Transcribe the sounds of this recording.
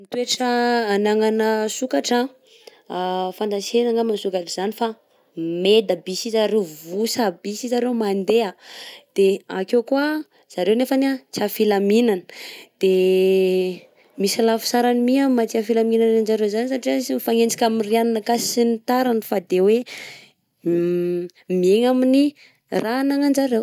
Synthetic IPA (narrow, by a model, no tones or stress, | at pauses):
mit̪ueʈ͡ʂːnaŋanəsukaʈ͡ʂa | fand̪asenaŋamansukaʈ͡ʂiz̥anifa | med̪əbisizaɾewvusabisizaɾemand̪ead̪̥eakewkua | z̥aɾewnefanat͡siafilaminanə̥d̪̥e | misilafu̥saɾanimiamat͡siafilaminananzaɾewzanisaʈ͡ʂiaisimifaŋend͡zḁkʲamiriananakasinit̪aɾanifad̪ewe | mieŋamini | ranaŋand͡ʒaɾew